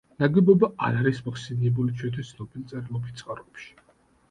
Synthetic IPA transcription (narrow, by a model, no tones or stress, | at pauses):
naɡɛbɔbaa̰ɾaɾismaχsɛniɛbulit͡ʃʰwɛnt̪ʰist̪sʰnɔbilt̪sʼɛɾilˠɔbit̪t̪sʼqʼaɾɛpʃi̥